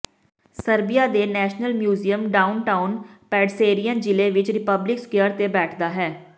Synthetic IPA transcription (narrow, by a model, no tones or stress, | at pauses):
səɾbɪjaːd̪eːnɛːʃnəlmjuːziəmɖaːʊnʈaːʊnpɛːɖseːɾijənd͡ʒɪleːʋɪt͡ʃɾɪpəblɪkskjəɾt̪eːbɛːʈʰd̪aːɦɛː